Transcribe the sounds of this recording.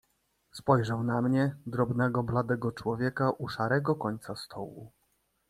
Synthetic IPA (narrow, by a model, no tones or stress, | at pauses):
spɔjʐawnamɲɛd̪ɾɔbnɛɡɔblad̪ɛɡɔt͡ʂwɔvʲjɛkaʔuʂaɾɛɡɔkɔɲt̪sast̪ʰɔwṵ